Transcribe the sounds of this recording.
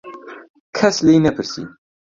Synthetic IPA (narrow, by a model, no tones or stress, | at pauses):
kʰɐslejnɐpʰɨɾsḭː